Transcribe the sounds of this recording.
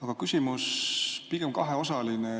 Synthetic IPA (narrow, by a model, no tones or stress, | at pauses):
ɑɡ̥ɑkysʲimuspiɡ̥e̞mkɑɦeo̞sɑline